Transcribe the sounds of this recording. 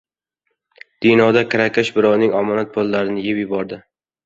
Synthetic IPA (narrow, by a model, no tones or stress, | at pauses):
d̪̥ɪnɒd̪akʰɪɾakʲʰaʃbɪɾɒwnɪŋɒmɒnat̪̚pʰolˠːaɾɪnɪjɪpjɪbɒɾd̪ɪ